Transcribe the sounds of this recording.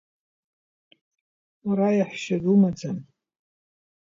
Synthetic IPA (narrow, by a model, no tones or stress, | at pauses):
aɾajaħʃadumad͡zan